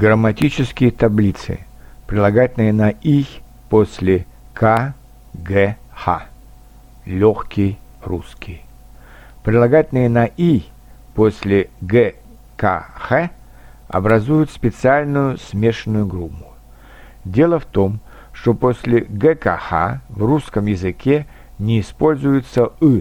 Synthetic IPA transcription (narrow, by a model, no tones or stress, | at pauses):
ɡɾəmɐtʲit͡ɕɪskʲɪjət̪ɐblʲit̪sɨ̰pɾʲɪlˠɐɡatʲlnɨjənɐʔix | posʲlʲɪkʰa | ɡɛxa̰ | lʲoxkʲɪjruskʲij | pɾʲɪdlˠɐɡatʲlnɨjənɐʔi | posʲlʲɪɡɛ | kaxɛ | ɐ̰bɾɐzujʊt̪spʲɪt̪sɨalʲnʊjʊsmʲe̞ʂnːʊjʊɡɾupːʊ | dʲe̞lˠəft̪o̞m | ʂt̪oposʲlʲɪɡɛka̰xa̰vruskəmjɪzɨkʲe | nʲɪːspo̞lʲzʊjɪt̪səɨ